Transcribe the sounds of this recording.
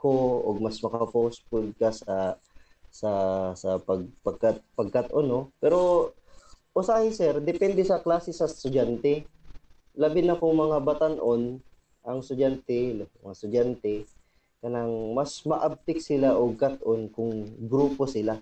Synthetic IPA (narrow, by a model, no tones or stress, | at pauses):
kooɡ̚mɐsmɐkɐpowspʊld̪̚kasɐ | sɐsɐpɐɡ̚pɐɡ̚kat̪̚pɐɡ̚kat̪ʔɐnopɛɾo̞ | ʔʊsaːhɪsɛɾd̪ɛpɛnd̪ɛsɐklaːsɪsɐst̪ʊd͡ʒant̪ɛ | lɐbɪnɐkoŋmɐŋabɐt̪ɐnʔon | ʔɐŋst̪ʊd͡ʒant̪ɛlmɐŋast̪ʊd͡ʒant̪ɛ | kɐnaŋmɐsmɐʔab̚t̪ɪk̚sɪlaʔoɡ̚kat̪ʔonkʊŋɡɾuːpo̞sɪla